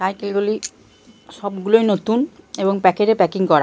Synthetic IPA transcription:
t̪ajkelɡoli | ʃɔbɡulojnot̪uneboŋpɛkeɾepɛkiŋkɔɾa

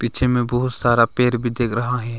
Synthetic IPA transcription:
pit͡ʃʰemẽbəɦʊt̪saːɾapeːɾbʱid̪eːkʰɾɐɦaɦɛː

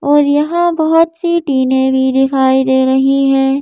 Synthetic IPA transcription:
ɔːɾjɐɦãbɐɦʊt̪siʈiːnẽbʱid̪ɪkʰaːid̪eːɾɐɦiɦɛː

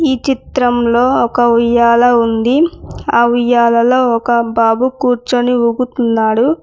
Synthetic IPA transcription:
iːt͡ʃit̪ɾɐmlo̞ːɔkɐʋijaːlɐund̪iaːʋijaːlɐlo̞ːɔkɐbaːbukuːɾt͡ʃoniuɡut̪unːaːɽu

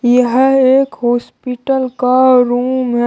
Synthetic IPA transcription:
jəɦeːkɦɔːspiʈəlkaɾuːmɦɛ

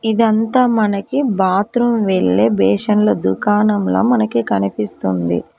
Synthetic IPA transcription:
id̪ɐnt̪aːmɐnɐkibaːt̪ɾumʋeɭːeːbɛːʂɐnloːd̪ukaːnɐmlo̞̰ːmɐnɐkikɐnipist̪und̪ḭ

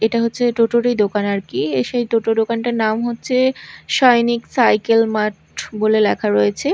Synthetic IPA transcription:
eʈaɦotːɕʰeʈoʈoɾid̪okanaɾkieʃejʈoʈod̪okanʈaɾnamɦotːɕʰeʃɔjniksajkelmaʈ | bolelɛkʰaɾojet͡ɕʰe

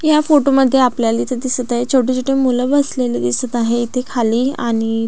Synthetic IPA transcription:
jafoʈoməd̪ʱːjeapljalit̪ʰəd̪isət̪aɦet͡ɕʰoʈit͡soʈemuləbəsleled̪isət̪aɦeit̪ʰekʰaliːa̰ɽ̃i

